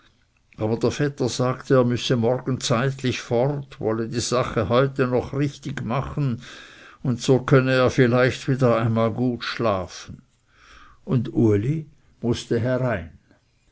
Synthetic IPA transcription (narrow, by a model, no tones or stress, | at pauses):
ʔaːbɐdeːɐfɛtɐz̥aːktəːɐmʏsəmɔrɡ̥n̩t͡saɪtlɪçfɔrtvɔlədiːz̥aχəhɔʏtənɔχʁɪçtɪɡmaχn̩ | ʊntsoːkʰœnəeːɐfɪlaɪçtviːdɐaɪnmaːlɡuːtʃlaːfn̩ | ʊnduɐli | mʊstəɦɛʁaɪn